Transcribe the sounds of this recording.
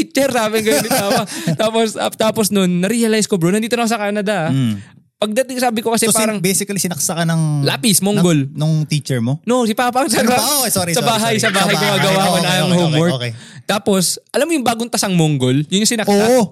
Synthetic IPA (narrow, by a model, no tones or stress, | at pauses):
it͡ʃɛɾsaːmɪŋɡɐjonɪpaːpɐt̪aːposat̪aːposnonːɐɾiɐlajskobɾonɐnd̪iːt̪onɐkosɐkaːnɐd̪ɐ | pɐɡ̚d̪ɐt̪ɪŋsaːbɪko̞kɐsɛpaɾɐŋbɛjsɪkɐlisɪnɐksɐkɐnɐŋlaːpɪsmoːŋɡolnʊŋt̪it͡ʃɛɹmonoʔsɪpaːpɐʔŋsɐɡosoɾisɐbaːɦɐjsɐbaːɦɐjkoɡaːɡɐwakonajɐŋhomwɔket̪aːpo̞sʔɐlamːojʊŋbaːɡoŋt̪ɐsɐŋmoŋɡoljʊnɲʊŋsɪnɐkʔoa